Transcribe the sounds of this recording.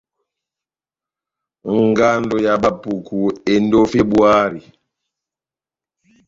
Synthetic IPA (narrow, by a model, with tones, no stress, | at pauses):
ŋ˨ɡa˦ndɔ˨ja˨ba˨pu˨kʰu˨e˨ndo˦fe˦bwa˦ɾi˨